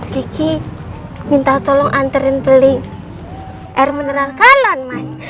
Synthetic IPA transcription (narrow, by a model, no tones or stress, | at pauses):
ɡiki | mint̪at̪ɔlɔŋʔant̪əɾɪnpəlɪŋ | ʔɛrmənəɾalkalɔnmas